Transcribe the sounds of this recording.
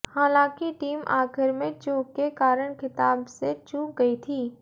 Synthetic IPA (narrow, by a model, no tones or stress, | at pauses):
haːlãːkiʈiːmʔa̰ːxɪɾmẽt͡ʃoːkːekaːɾəɽ̃kʰɪt̪aːbset͡ʃuːk̚ɡɐit̪ʰiː